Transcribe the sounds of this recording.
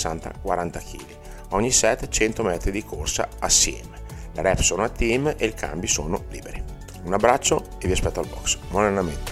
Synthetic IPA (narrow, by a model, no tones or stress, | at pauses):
sant̪a̰kwaɾant̪ak̟ʰḭːli | ɔɲːisɛt̪ːt͡ʃɛnt̪omɛt̪ɾid̪ikʰorsa̰asːjɛ̰ːmeleɾɛpsoːnoat̪imeikʰa̰mbisoːnoliːbeɾi | unabːɾat͡ʃːo | eviaspɛt̪ːoalbɔksmolernament̪e